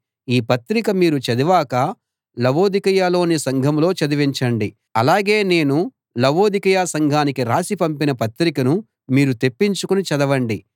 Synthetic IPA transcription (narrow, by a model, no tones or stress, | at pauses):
iːpɐt̪ɾikɐmiːɾut͡ʃɐd̪iʋaːkɐ | lɐʋo̞ːd̪ikɐjaːlo̞ːnisɐŋɡʱɐmlo̞ːt͡ʃɐd̪iʋiɲt͡ʃɐɳɖi | ɐlaːɡe̞ːne̞ːnu | lɐʋo̞ːd̪ikɐjaːsɐŋɡʱaːnikiɾaːsipɐmpinɐpɐt̪ɾikɐnu | miːɾut̪e̞pːiɲt͡ʃukunit͡ʃɐd̪ɐʋɐɳɖi